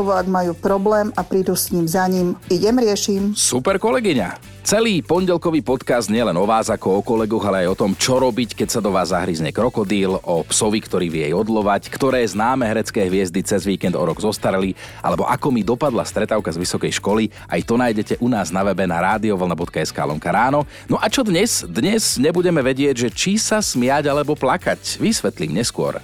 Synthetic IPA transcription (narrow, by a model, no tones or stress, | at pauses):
ɔʋɔaɡ̪majuːpɾɔblɛːmapɾid̪uːsɲiːmzaɲimiɟɛmɾɪɛʃimsupɛɾkɔlɛɡiɲa | t͡sɛliːpɔɲɟɛlkɔʋiːpɔt̪kazd̪ɲɪɛlɛnɔʋaːzakɔɔkɔlɛɡɔɣalɛajɔt̪ɔmt͡ʃɔɾɔbickɛcsad̪ɔʋaːzːaɦɾizɲɛkɾɔkɔd̪iːlʔɔpsɔʋikt̪ɔɾiːʋijɛjɔd̪lɔʋackt̪ɔɾɛːznaːmɛɦɾɛt͡skɛːɦʋɪɛzd̪it͡sɛzʋiːkɛnd̪ɔ̰ɾɔɡzɔst̪aɾɛli | a̰lɛbɔʔakɔmid̪ɔpad̪last̪ɾɛt̪aːʊkazʋisɔkɛjʃkɔli | ʔa̰jt̪ɔnaːjɟɛcɛʔunaːznaʋɛbɛnaɾaːd̪iɔʋl̩nabɔt̪kaɛska̰ːlɔ̰ŋkaɾaːnɔ | nɔʔat͡ʃɔd̪ɲɛz̥d̪ɲɛzɲɛbuɟɛmɛʋɛɟɪɛɟʒɛt͡ʃisasmɪaɟalɛbɔplakacʋisʋɛt̪limɲɛskʊɔ̰ɾ